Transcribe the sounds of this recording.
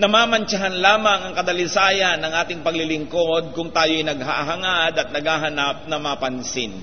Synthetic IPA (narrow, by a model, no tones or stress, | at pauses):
nɐmaːmɐnt͡ʃɐɦanlaːmɐŋʔɐŋkɐd̪ɐlɪsaːjɐnːɐŋʔaːt̪ɪŋpɐɡlɪlɪŋkod̪̚kʊŋt̪aːjoʔɐjnɐɡ̚haʔɦɐŋad̪ɐt̪̚nɐɡaːɦɐnap̚nɐmapɐnsɪ̰n